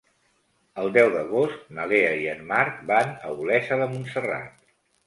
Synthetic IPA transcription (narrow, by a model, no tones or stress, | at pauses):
əlˠd̪ɛwðəɣost̪̚nəleəiənmaɾk̚banə̰ulɛsəðəmunsəra̰t̪̚